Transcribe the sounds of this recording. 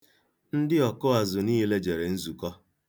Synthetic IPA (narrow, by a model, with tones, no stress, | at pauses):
n̩˦dɪ˦ɔ˨kʊ˦a˨zʊ˨niː˦le˦d͡ʒe˨ɾe˨n̩˦zu˨kɔ˦